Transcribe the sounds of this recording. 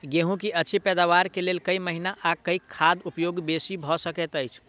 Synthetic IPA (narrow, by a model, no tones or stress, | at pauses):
ɡeɦũkiʔəːt͡ʃʰipɛd̪aʋaɾkelelkəiməɦinaʔakəikʰːad̪upjoɡbesibʱɔsəkɛt̪əjt͡ʃʰ